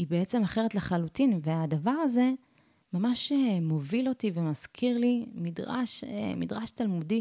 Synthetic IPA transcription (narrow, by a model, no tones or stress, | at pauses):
ibeet͡se̞maχe̞ʁet̪leχalutinveadavaʁaze̞ | mamaʃemo̞vilo̞tivemaz̥kʰiʁlimidʁa̰ʃemidʁaʃtalmudi